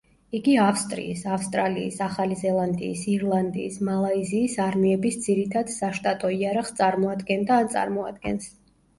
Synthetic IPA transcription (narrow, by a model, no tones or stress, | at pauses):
iɡiafst̪ʼɾḭisafst̪ʼɾalḭːsaχalizɛlˠand̪ḭːsiɾlˠand̪ḭːsmalˠaiziːsaɾmiɛbisd̪z̥iɾit̪ʰad̪saʃt̪ʼat̪ʼɔiaɾaχst̪sʼaɾmɔad̪ɡɛnd̪aːnt̪sʼa̰ɾmɔad̪ɡɛ̰ns